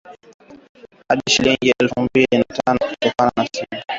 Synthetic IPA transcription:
haɗiʃiliŋɡiɛlfumbilinatanɔku̥tɔkananasimɔ

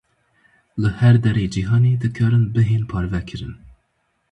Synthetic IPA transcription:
lɨhɛɾd̪ɛɾeːd͡ʒiɦɑːneːd̪ɨkʰɑːɾɨnbɨɦeːnpʰɑːɾvɛkʰɨɾɨn

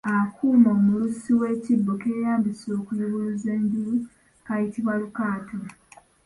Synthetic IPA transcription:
akuːmo̞ːmulusiwe̞cibːoke̞ːjaːmbiso̞ːkujuβuze̞ːɲɟulu | kajitiβwalukaːto

